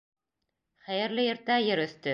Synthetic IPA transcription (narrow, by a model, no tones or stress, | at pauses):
χæjɘ̆ɾlɘjɘ̆ɾt̪æjɘɾɵ̆θt̪ɵ